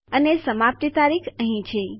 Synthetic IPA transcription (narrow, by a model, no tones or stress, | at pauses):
ənesəmap̚t̪it̪aɾikʰəɦĩt͡ʃʰe